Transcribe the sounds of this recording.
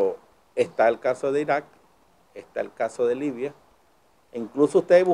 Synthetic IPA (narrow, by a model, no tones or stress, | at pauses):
est̪aelkaso̞ðeiɾak̚ | est̪aelkasoðe̞liβja | iŋklusoust̪eβu